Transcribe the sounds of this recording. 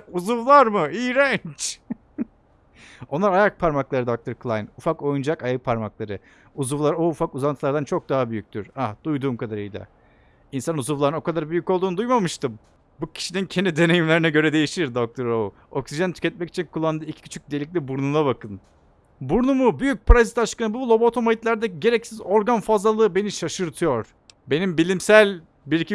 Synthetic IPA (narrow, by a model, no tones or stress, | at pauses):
uzuvlˠaɾmɯijɾɛnt͡ʃ | o̞nlˠaɾajak̚pʰaɾmaklˠaɾɯd̪ak̚t̪ʰaɾklˠajnufako̞jund͡ʒakajaɯpʰaɾmaklˠaɾɯ | uzuvlˠaɾoːfakuzanʰɯlˠaɾd̪ant͡ʃʰo̞k̚d̪aɦabyjyc̚ʲt̪ʰyɾ̥ad̪̥ujd̪uːmkʰad̪aɾɯjd̪a̰ | insanuzuvlˠaɾɯnokʰad̪aɾbyjyco̞lˠd̪uːnud̪ujmamɯʃt̪ɯm | bucʰi̥ʃinincʰend̪id̪e̞ne̞jimlʲeɾinɛɟø̞ɾɛd̪e̞jiʃiɾd̪o̞k̚t̪ʰo̞ɾou | o̞̰ksiʒant̪ʰy̥cʲɛt̪̚mɛci̥t͡ʃʰinkʰulˠːand̪ɯicʰi̥cʰy̥t͡ʃʰyc̚d̪ijeic̬̚ʲlʲibuɾnunaβakɯn | buɾnumubyjyc̚pʰaɾazit̪aʃkanɯbulˠo̞bot̪ʰo̞majit̪lʲˠaɾd̪ɛɟe̞ɾɛcsizo̞ɾɡanfazlˠalˠɯːɯbe̞niʃaʃɯɾt̪ʰɯjo̞ɾ̥ | be̞nimbilʲimsælʲ | biɾicʰi